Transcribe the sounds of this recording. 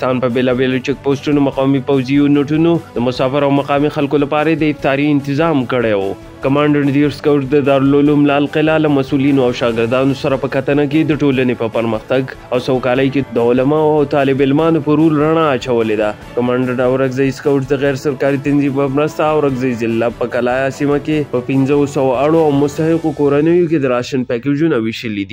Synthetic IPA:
st̪ɑnpəbelɑbelot͡ʃek̚posʈunomaqɑmipawzionaʈunod̪əmʊsɑfɪɾawmaqɑmixalkolapɑɾad̪əɪft̪ɑɾiɪnt̪ɪzɑmkəɽewo̰ | kamɑɳɖəɽd̪iɾskawʈd̪əd̪ɑɾlolumlalqɪlalamasulinoawʃɑɡɪɾd̪ɑnosaɾapəkat̪ənak̬ed̪əʈolanepəpəɾməxt̪aɡawsawkɑləjked̪əʊlamɑawt̪ɑlɪbɪlmɑnopəɾulɾaɳ̃aːt͡ʃawəled̪a | kamɑɳɖəɽawɾaɡzajskawʈd̪əɣɛɾsaɾkɑɾit̪anzibəmɾəst̪aːwɾaɡzajzɪlːapəkalɑjasimakepəpinzəsawoaɽoawmʊst̪ahɪqokoɾanəjok̬ed̪əɾɑʃənpɛked͡ʒunawiʃəlid̪i

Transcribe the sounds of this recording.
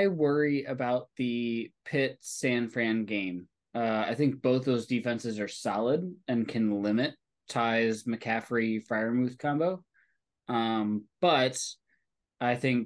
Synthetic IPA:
ɪwɜ˞iɨbaʊt̪̚ðɨpʰɪtsæ̃nfæ̃nɡẽɪ̃m | ʌaɪθɪ̃ŋk̚b̥oʊθðoʊzdifɛ̃nsɨzə˞sɑlˠədɨ̃nkʰɨ̃nlɪ̃mɨtʰ | aɪzmɨkʰæfɹifaɪə˞mʉð̥kʰɑ̃mboʊ | ʌ̃mb̥ʌt | aɪθɪ̃ŋk

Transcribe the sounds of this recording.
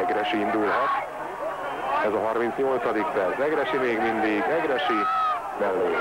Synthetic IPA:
ɛɡɾɛʃiind̪ulɦɒt̪ | ɛzɒɦɒrmint̪sɲo̞lt̪sɒd̪ikpɛrsɛɡɾɛʃimeːɡmind̪iɡɛɡɾɛʃi | mɛlːøː

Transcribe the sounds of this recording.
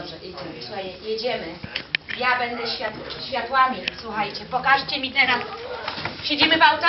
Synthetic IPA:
bʐɛʔit̪asajjɛd͡ʑɛmɘjabɛnd̪ɛɕfʲjat̪ɕfʲjat̪wamʲiswuxajt͡ɕɛpɔkaʂt͡ɕɛmʲit̪ɛnas | pɕed͡ʑimɘpawt̪

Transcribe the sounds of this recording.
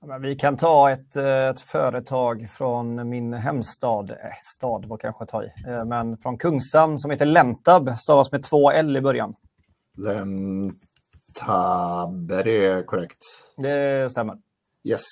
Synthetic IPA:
mɛnvɪkʰant̪ʰɑːɛt̪ɛt̪fœːɾət̪ʰɑːɡfɾɔnmɪnɦɛmst̪ɑːd̪ɛst̪ɑːd̪vɔɾkʰa̰nɧət̪ʰɑ̰ːɾɪ̰mɛnfɾɔnkʰɵŋːsamːsɔmheːt̪əɭɛnt̪abst̪ɑːvasmɛt̪ʰvoːɛlːɪbœɾja̰n | lɛn | t̪ʰabɛɾɛkʰɔɾɛkt̪d̪ɛst̪ɛmːə̰ɾ | jɛs

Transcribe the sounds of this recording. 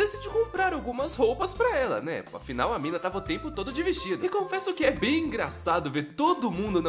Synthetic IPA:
esid͡ʒɪkõpɾaɾawɡũmɐshowpɐspɾɐɛlɐ̰nɛa̰finawɐmĩnɐt̪avɐʊt̪ẽmpʊt̪od̪ʊd͡ʒiviɾt͡ʃid̪ʊɪkõfɛsʊkɪɛbẽj̃ĩɡɾasad̪ʊveɾt̪od̪ʊmũnd̪ʊnɐ̃

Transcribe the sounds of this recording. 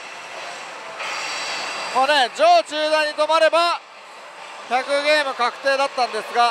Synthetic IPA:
maːned͡ʑo̞ːt͡ɕɨːd̪aiɲ̟ːit̪o̞maɾe̞ba | çʲakɯ̟ɡe̞ːmɯ̟kakɯ̟̥t̪e̞ːd̪at̪ːãnd̪e̞sɨɡa

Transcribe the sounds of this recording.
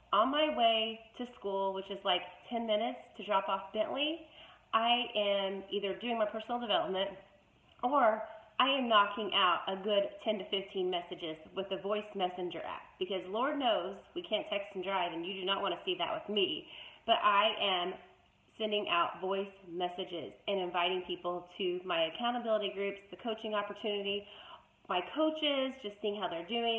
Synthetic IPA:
ə̃nmaɪweɪɾɨskulˠwət͡ʃɨzlaɪktʰɛ̃nmɪ̃nɨtstʰɨdɹɑpɔfb̥ɛ̃ʔliʔaɪʔɨ̃miðə˞dʉɪ̃ŋmaɪpʰɜ˞sn̩l̩ˠdəvɛlˠəp̚mɨ̃nt | ə˞ʔaɪɨ̃mnɑkʰɪ̃ŋʔaʊɾəɡʊd̚tʰɛ̃ntɨfɪftʰĩnmɛsɨd͡ʒɪzwɨðɨvɔɪsmɛsɨ̃nd͡ʒə̰˞ʔæ̰p̚b̥ɨkʌzlɔɹdⁿnoʊzwikʰæ̃ntʰɛkstn̩dɹaɪvɨ̃njɨdɨñəʔ̚wɑ̃ɾ̃ɨsiðɨ̰ʔwɨðmib̥ʌɾʔaɪʔɨ̃m | sɛ̃ndɪ̃ŋʔa̰ʊtvɔɪsmɛsɨd͡ʒɪ̰zɨ̃nɨ̃ɱvaɪɾɪ̃ŋpʰipl̩ˠtʰɨmaɪɨkʰãʊ̃əbɪlˠəɾiɡɹʉpsðɨkʰoʊt͡ʃɪ̃ŋɑpə˞tʰʉnɨɾi | maɪkʰoʊt͡ʃɪzd͡ʒʌstsiɪ̃ŋɦaʊðə˞dʉɪ̃

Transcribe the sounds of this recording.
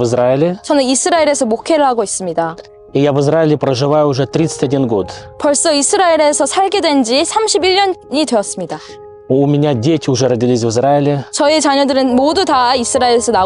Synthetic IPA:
vɨzɾaɪlʲɪt͡ɕʌnɯnisʰɯɾaiɾe̞sʰʌmokʰe̞ɾɯɭhaɡois͈ɯmɲida | ijavɨzɾaɪlʲɪpɾəʐɨvajʊːʐɛt̪ɾʲit̪sɨ̥tʲɐdʲinɡot̪pʌɭs͈ʌisʰɯɾaiɾe̞sʰʌsʰaɭɡe̞dwe̞nd͡ʑisʰamɕʰibiʎːʌnɲidwe̞ʌs͈ɯmɲida | oumʲɪnʲadʲetʲɪʊʐɛɾədʲilʲis̬ʲvɨzɾaɪlʲɪt͡ɕʌet͡ɕaɲodɯɾɯnmodutaisʰɯɾaeɾe̞sʰʌna

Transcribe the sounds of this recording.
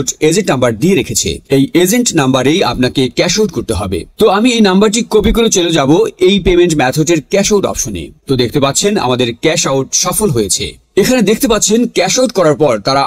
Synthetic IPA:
ʈed͡ʑiʈnambaɾd̪ieɾekʰet͡ɕʰḛejed͡ʑeɳʈnambaɾeja̰pnakekɛʃawʈkoɾt̪eɦɔbḛt̪oamiejnambaɾʈikobikolot͡ɕelod͡ʑaboejpemeɳʈmɛt̪ʰoʈ̬eɾkɛʃawʈɔ̰pʃonḛt̪od̪ek̚ʰt̪epatːt͡ɕʰena̰mad̪eɾkɛʃawʈʃɔfolɦojet͡ɕʰḛ | ekʰaned̪ekʰt̪epat̪ːɕʰenkɛʃawʈ̚kɔɾaɾpɔɾt̪aɾa

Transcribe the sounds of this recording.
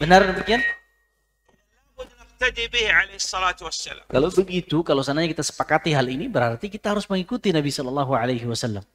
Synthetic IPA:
bənardəmikian | bʊd̪nɪħt̪ad̪ibɪhʕalejhɨsˤːɑlaːt̪wasːa̰la̰kalawbəɡit̪ukalawsanaɲakit̪asə̥pakat̪iɦalinibəɾhart̪ikit̪aɦaɾʊsməŋikut̪inabisɔlɑlːɑɦuʕalajɦɪwasalːam

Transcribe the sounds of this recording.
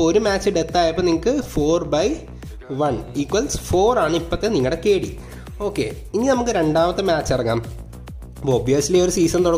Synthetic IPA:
oɾumaːt͡ɕːɨɖe̞t̪ːaːjɐpːoːniŋɐkːɨfoːrbɐj | ʋɐɳiːkwɐlsfo̞ːraːɳɨipːɐt̪ːeniŋːɐɽekeːɽḭ | o̞ːkːe̞̰ː | iŋːinɐmukːɨɾe̞ɳɖaːmɐt̪ːɨmaːt͡ɕːɐrɐŋːa̰ːm | poːbiɐsilioɾusiːsɐnt̪oɽɐ

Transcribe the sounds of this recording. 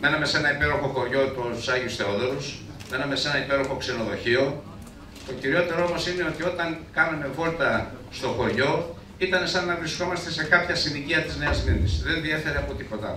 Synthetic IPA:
me̞nɐme̞se̞nɐipe̞ɾo̞xo̞xo̞ɾʝo̞t̪uu̥sɐʝiusθe̞oðoɾus | me̞nɐme̞se̞nɐipe̞ɾo̞xo̞kse̞no̞ðo̞çio̞ | t̪o̞ciɾio̞t̪e̞ɾoomo̞sine̞o̞t̪io̞t̪ɐŋkɐnɐme̞vo̞lt̪ɐ | st̪o̞xo̞ɾʝo̞ | it̪ɐne̞sɐnːɐvɾisko̞mɐst̪e̞se̞kɐpçɐsiniciɐt̪izneɐzminisðe̞nðie̞fe̞ɾeɐpo̞t̪ipo̞t̪ɐ̰

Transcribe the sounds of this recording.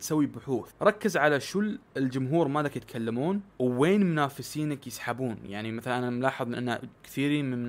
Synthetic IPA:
t̪sawːibʊħuːθɾˤɑkːɪzʕalaʃʊlːɪld͡ʒʊmɦuːɾmad̪akjɪt̪kʰalːamuːnwːeːnmʊnaːfɪsiːnakjɪsħabuːnjaʕnimaθalanʔanaamlɑːħɨðˤmɪnʔanːakθiːɾiːnmɪnm

